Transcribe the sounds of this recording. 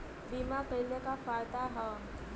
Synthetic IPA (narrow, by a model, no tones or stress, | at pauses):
biːmakəilekafaːɾt̪aɦə